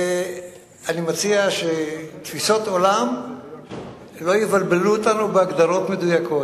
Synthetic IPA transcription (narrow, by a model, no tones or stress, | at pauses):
animat͡siaʃet̪fisot̪o̞lam | lo̞jivalbeluot̪anubeaɡd̪aʁo̞t̪me̞d̪ujakʰo̞